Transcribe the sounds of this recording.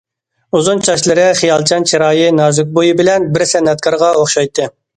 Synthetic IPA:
uzunt͡ʃʰɑʃlˠɨɾɪχijɑlˠt͡ʃʰɑnt͡ʃʰiɾɑːjɨnɑːzyk̚ʲbojibɪlɛnbɪɾsɛnːɛt̪̚kʰɑɾʁɑoχʃɑjt̪ʰːɨ

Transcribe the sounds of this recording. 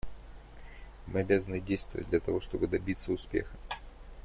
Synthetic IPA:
mɨɐbʲazənɨdʲejst̪vəvə̰t̚ʲd̪lʲɐt̪ɐvo̞ʂt̪o̞bɨd̪ɐbʲit̪səʊspʲe̞̰xə̥

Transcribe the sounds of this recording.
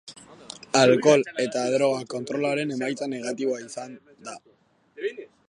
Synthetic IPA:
alko̞le̞t̪aːðɾo̞ɣ̞ako̞nt̪ɾo̞laɾe̞ne̞majt͡sane̞ɣat̪iβoaisan | d̪a

